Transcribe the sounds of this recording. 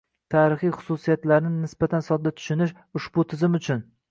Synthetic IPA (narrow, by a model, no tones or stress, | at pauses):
t̪ʰaːɾɪχijχʊ̥susijat̪laɾɪnɪnɪsb̥at̪ʰansɒd̪̚d̪at̪ʰʊ̥ʃʊnɪʃ | ʊʃbʊt̪ʰɪzɪmʊt͡ʃʰʊn